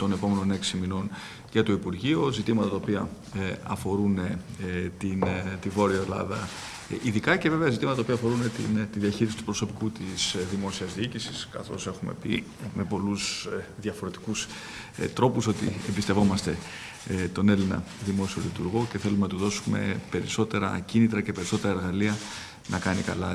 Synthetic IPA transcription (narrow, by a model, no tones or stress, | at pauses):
t̪o̞ne̞po̞me̞no̞ne̞ksimino̞n | ʝɐt̪oipuɾʝiozit̪imɐt̪ɐt̪ɐopiɐ | ɐfo̞ɾunt̪int̪ivo̞ɾioelɐ̰ðɐ | iðikɐce̞ve̞ve̞ɐzit̪imɐt̪t̪ɐopiɐfo̞ɾunet̪ḭnt̪iðiɐçiɾisi̥t̪u̥pɾo̞so̞pi̥kut̪isðimo̞siɐzðiicisiskɐθo̞̰se̞xume̞̰pḭ | me̞po̞lusðɐfo̞ɾe̞t̪i̥kus | t̪ɾo̞puso̞t̪ḭe̞mbist̪e̞vo̞mɐst̪e̞ | t̪o̞ne̞linɐ̰ | ðimo̞sio̞lit̪uɾɣo̞ce̞θe̞lumenɐt̪uðo̞sume̞̰pe̞ɾiso̞t̪e̞ɾɐ̰cinit̪ɾɐce̞pe̞ɾiso̞t̪e̞ɾɐe̞ɾɣɐliɐ | nɐkɐnikɐ̰lɐ